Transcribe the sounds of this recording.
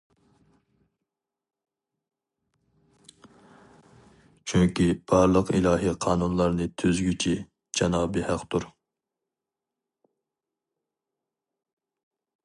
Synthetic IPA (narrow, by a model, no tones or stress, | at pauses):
t͡ʃʰyŋkʲib̥ɑɾlˠəqḭlˠɑːɦiqʰɑːnunlˠɑɾnɨt̪ʰøzɡʲyt͡ʃʰi | d͡ʒɑnɑːbɨhɑqt̪uɾ